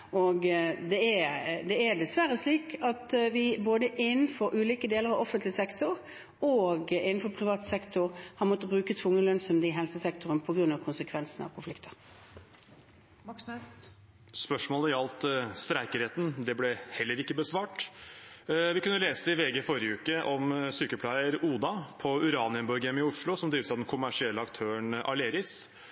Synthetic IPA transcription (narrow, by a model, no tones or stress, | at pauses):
ɔɡd̪ɛæd̪ɛæd̪ɛsʋæɾəsliːkʰɑt̪ʋɪboːd̪əʔɪnːn̩fɔɾʔʉːliːkəd̪eːləɾɑʋɔfənt̪lɪsɛkt̪ʰʊʁ | oɡɪnːn̩fɔpʰɾɪʋɑːt̪sɛkt̪ʰʊʁhɑɾmɔt̪ːəbʁʉːkət̪ʰʋʊŋːəlœnsɔmd̪ɪɦɛlsəsɛkt̪ʊʁənpʰɔɡʁʉnːɑʋkʰʊnsəkʰʋɛnsən̩ɑ̰ʋkʰʊnflɪkt̪ʰə̥ʁ | spœʂmoːləɾɑlt̪st̪ɾæɪkəɾheːt̪n̩d̪ɛblɛhɛlːəɾɪkːəbəsʋɑːʈ | ʋɪkʉnːəleːsəɪʋeːɡəfɔɾɪəʉːkəʔɔmsyːkəpʰlæɪəɾuːd̪ɑpʰɔʉɾɑːnɪənbɔɾɡɛmɪʊʂɭʊsɔmd̪ɾiːʋsæɑʋd̪ɛnkʰʊmæʂɪɛlːəɑkt̪ʰøːəɳʔɑ̰leːɾɪs